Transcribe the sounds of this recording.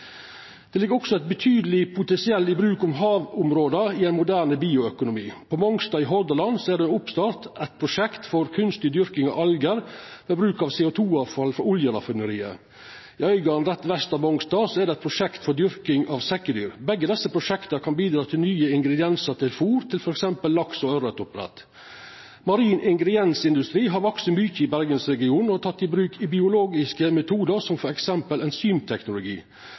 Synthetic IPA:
d̪̥ɛlɪɡːəɾɔksɔɛt̪̚bət̪ʰyːd̪əlɪpʰʊt̪ɛnsɪɛlːɪbɾʉːkʊmɦɑːʋʊmɾoːd̪əɪæɪnmʊd̪æːɾɳəbiːʊœkʊnʊmiːpʰɔmɔŋst̪ɑːɪɦɔɾd̪əlɑnsɔɛɖɛʊpst̪ɑːɾt̪ɛɪt̪̚pʰɾʊʂɛkt̪fɔɾkʰʉnst̪ɪd̪ʏɾkɪŋɑ̰ʋʔɑlɡəɾʋeːbɾʉːkɑʋseːʊt̪ʰuːɑːfɑlfɔɾʊljəlɑ̰fɪnəɾiːə̰ | ɪœʏɡɑnɾɛt̪ʋɛst̪ɑʋmɔŋst̪ɑːsɔɛɖɛɪt̪̚pʰɾʊʂɛkt̪fɔd̪ʏɾkɪŋɑːʋsɛkːəd̪yːɾbɛɡːəd̪ɛsːəpʰɾʊʂɛkt̪əkʰɑnbiːd̪ɾɑːt̪ʰɪlnyːəɪŋɡɾɛd̪ɪɛnsəɾt̪ʰɪlfuːɾt̪ʰɪlfɔɾɛksɛmpəlːɑksɔœɾət̪ʊpɾɛ̰t̪ | mɑɾiːnʔɪŋɡɾɛd̪jɛnsɪnd̪ʉst̪ɾiːɦɑɾʋɔksəmyçəɪbæɾɡənsɾɛɡɪuːnɔt̪ʰɑt̪ːɪbɾʉːkʰɪbɪʊloːɡɪskəmɛt̪ʰuːd̪əɾsɔmfɔɾɛksɛmpəlɛnsyːmt̪ʰɛknʊlʊɡḭː

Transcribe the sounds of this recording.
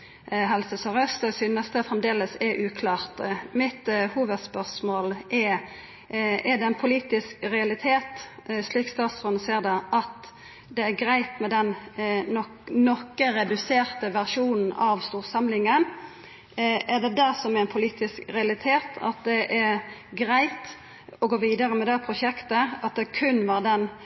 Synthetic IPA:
ɦɛlsəsɔʁɛst̪əsyːnəst̪əfɾɛmd̪eːləsɛʔʉːkʰlɑːʁt̪mɪt̪huːʋəd̪spœʁsmoːlʔɛ | ɛd̪ɛɪnpʰʊliːt̪ɪskɾɛɑlɪt̪ʰeːt̪sliːkst̪ɑːt̪sfɔnəseːʁd̪ɛʔɑt̪ | d̪ɛæɾɡɾæɪt̪mɛd̪ɛn | nɔkːəɾɛd̪ʉseːɾt̪əʋæʁʂuːnn̩ɑʋst̪uːʁsɑmlɪŋən | ʔæd̪ɛd̪æsɔmæɾɛnpʰʊliːt̪ɪskɾɛɑlɪt̪ʰeːt̪ɑ̰t̪̚d̪ɛʔæɾɡɾæɪt̪ | ɔɡoːʋiːd̪ɑɾəmɛd̪ɛpʰɾʊʃɛkt̪əɑt̪̚d̪ɛkʰʉnːʋɑːʁd̪ɛn

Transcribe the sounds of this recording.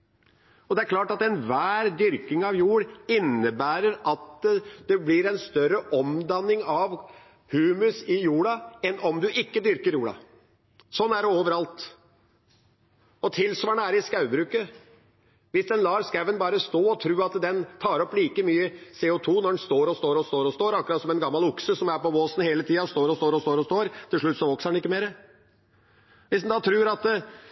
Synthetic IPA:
ɔd̪ɛæɾklɑːʈɑt̪ɛnʋæːɾd̪ʏɾkɪŋɑʋjuːɽɪnːəbæːɾəɾɑt̪d̪̥ɛblɪɾɛnst̪œɾəʔɔmd̪ɑnːɪŋɑʋ | hʉːmʉsɪjuːɽɑɛnʔɔmd̪ʉʔɪkːəd̪ʏɾkəɾjuːɽɑ̰ | sɔnːæɖɛoːʋəɾɑlt̪ | ɔt̪ʰɪlsʋɑːɳəæɾɪskɑʉbɾʉːkə | ʋɪsd̪ɛnlɑːɾskæʋənbɑːɾəst̪oːɔt̪ʰɾʉːɑt̪d̪ɛnt̪ʰɑːɾɔpliːkəmyːəseːʊt̪ʰuːnɔɖɛnst̪oːɾɔst̪oːɾɔst̪oːɾɔst̪oːɾɑkːɾɑt̪sɔmɛnɡɑmːɑlʊksəsɔmæpɔboːsn̩heːlət̪ʰiːɑst̪oːɾɔst̪oːɾɔst̪oːɾɔst̪oːɾt̪ʰɪlʂɭʉt̪ːsɔʋɔksəɛnɪkːəmeːɾə | ʋɪsd̪nd̪ɑːt̪ʰɾʉːɾɑt̪

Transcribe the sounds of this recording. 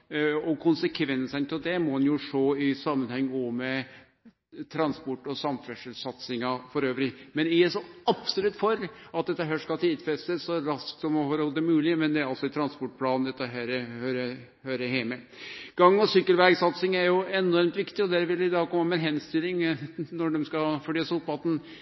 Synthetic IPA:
ɔkʰʊnsəkʰʋɛnsənt̪ɪld̪ɛmɔd̪ɛnjʊʂoːɪsɑmːənhɛŋːɔmɛ | t̪ʰɾɑnspɔʈːɔsɑmfɛʂəlsɑt̪sɪŋɑfɔɾøːʋɾɪmɛnɪsɔɑpsʊlʉt̪ːfɔɾɑt̪̚d̪ɛt̪ːəɦæːʂkɑt̪ʰiːd̪fɛst̪əsːɔɾɑsksɔmɔhɔːɾɔld̪ɛmʉːlɪəmɛnd̪ɛæɾɑltsɔɪt̪ʰɾɑnspɔʈ̚ːpʰlɑːnnd̪ɛt̪ːəɦæːɾhøːɾə | høːɾəheːmɛ | ɡ̥ɑŋːɔsʏkːəlʋæɡsɑt̪sɪŋæɾjʊɛnɔɾmt̪ʋɪkt̪ɪɔd̪æːɾʋɪlɪd̪ɑːɡkʰɔmːəmɛɛnɦɛnst̪ɪlːɪŋnɔɖɛmskɑfɔɖeːsɔp̪̚bɑt̪n̩

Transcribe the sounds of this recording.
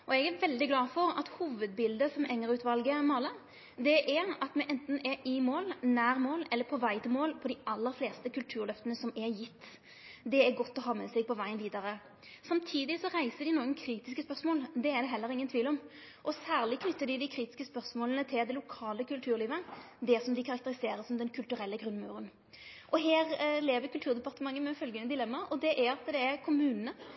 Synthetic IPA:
ʔɔɛɡæɾʋɛld̪ɪɡlɑːfɔʁɑt̪huːʋəd̪̚bɪld̪əsɔmɛŋːəɾʉːt̪ʋɑlɡəmɑlə | d̪ɛʔɛɑt̪mɛʔɛnt̪n̩ɛɪmoːlnæːɾmoːlɛlːəpʰɔʋæɪt̪ɪlmoːlpʰɔd̪ɪʔɑlːəʁfleːst̪əkʉlt̪ʰʉːɾlœft̪ənəsɔmɛjɪt̪ː | d̪ɛæɡɔt̪ːɔɦɑːmɛsɛɡ̚pʰɔʋæɪənʋiːd̪ɑʁə | sɑmt̪ʰiːd̪ɪsɔʁæɪsəd̪ɪnoːɡənkʰɾiːt̪ɪskəspœʁsmoːld̪ɛæʁd̪ɛɦɛlːəɾɪŋːənt̪ʰʋiːlɔm | ʔɔsæːʁlɪkʰnʏt̪ːəd̪ɪd̪ɪkʰɾiːt̪ɪ̥skəspœʁsmoːlənət̪ʰɪld̪ɛlʊkʰɑːləkʰʉlt̪ʰʉːʁliːʋən | d̪ɛsɔmd̪ɪkʰɑʁɑkt̪əɾɪseːɾəsɔmd̪ɛnkʰʉlt̪ʉɾɛlːəɡʁʉnmɑʉʁən | ʔɔɦeːʁleːʋəkʉlt̪ʉːʁd̪ɛpɑʁt̪əmɑŋːəmɛfœlɡənəd̪ɪlɛmːɑɔd̪ɛʔæɑt̪d̪ɛːɾkʰʊmʉːnənə

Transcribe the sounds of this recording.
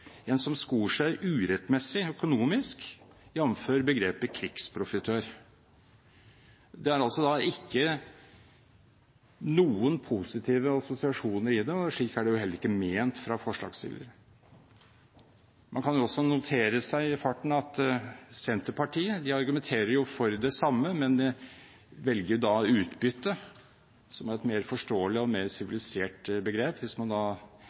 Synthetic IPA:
ɛnsɔmskuːəʂæɪʔʉːɾɛt̪mɛsːɪœkʊnuːmɪsk | jɛmːmføːɾbəɡɾeːpəkʰɾɪkspʰɾʊfɪt̪ʰøːɾ | d̪ɛæɾɑlsɔd̪ɑɪkːə | nuːənpʰusɪt̪ʰiːʋəɑsʊsɪɑʂuːnəɾɪd̪ɛʂɭiːkæɖɛjʊhɛlːəɾɪkːəmeːnt̪fɾɑfɔʂɭɑ̰ːɡsɪ̰lːə̰ɾ | mʔɑnkʰɑnjʊɔsːɔnʊt̪ʰeːɾəsæɪɪfɑʈːɳ̩ɑt̪sɛnt̪əpʰɑʈʰiːəd̪ɪɑɾɡʉmɛnt̪ʰeːɾəɾjʊfɔɾd̪ɛsɑmːəmɛnd̪ɛ | ʋɛlɡəɾjʊd̪ɑʉːt̪bʏt̪ːə | sɔmæɾɛt̪meːɾfɔʂʈoːəlɪɔmeːɾsɪʋɪlɪseːʈbəɡɾeːpʋɪsmɑnd̪ɑː

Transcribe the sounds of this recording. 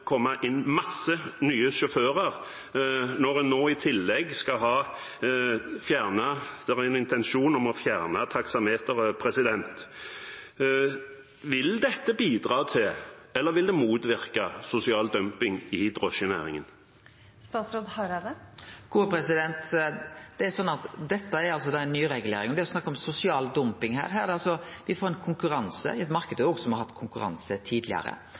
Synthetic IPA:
kʰɔmːəʔɪnːmɑsːənyːəʃʊføːʁəʁ | nɔʁɛnːoːɪt̪ʰɪlːɛɡskɑɦɑː | fjæːʁnəd̪̥ɛʁæɛnɪnt̪ɛnʃuːnɔmɔfjæːʁnət̪ʰɑksɑmheːt̪əʁpʰɾɛsɪd̪ɛnt̪ | ʋɪld̪ɛt̪ːəbiːd̪ʁɑːt̪ʰɪlɛlːəʁʋɪld̪ɛmuːt̪ʋɪʁkɑsʊsɪɑːld̪œmpɪŋɪd̪ʁɔʃənæ̰ːɾɪŋə̰n | st̪ɑːt̪sɾoːd̪hɑɾɑɾəɡ̥uːəpɾɛsɪd̪ɛnt̪d̪̥ɛæɾsɔnːɑt̪d̪ɛt̪ːəæɾɑls̬ɔd̪ɑːɛnːyːɾɛɡʉlḛːɾɪŋɔd̪ɛɾɔsnɑkːɔmsʊsɪɑːld̪ʊmpɪŋɦæ̰ːɾɦæːɾd̪ɛɑlsɔ | ʋɪfoːɾɛnkʰʊŋkʉɾɑnsə̰ɪɛt̪mɑɾkəd̪əoːɡsɔmhɑɾhɑt̪ːkʰʊŋkʉɾɑ̰nsət̪ʰiːd̪lɪ̰ɑ̰ɾə̰

